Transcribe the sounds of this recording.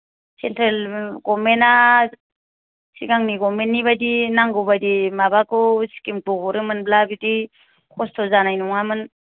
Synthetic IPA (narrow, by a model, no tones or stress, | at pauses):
sentɾelɡɔmena | siɡaŋniɡɔmenːiβadinaŋɡɯwbadimabakɯsi̥kimtɔbɔɾɯmɯnblabidi | kʰɔstʰɔzanajnuŋamɯn